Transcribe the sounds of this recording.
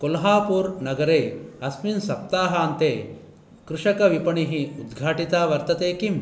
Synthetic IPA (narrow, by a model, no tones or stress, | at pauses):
kolɦaːpuːɾnɐɡɐɾeːɐsminsɐp̚t̪aːɦaːnt̪eː | kɾuʂɐkɐʋipɐɳiɦiud̪ɡʱaːʈit̪aːʋɐɾt̪ɐt̪eːkim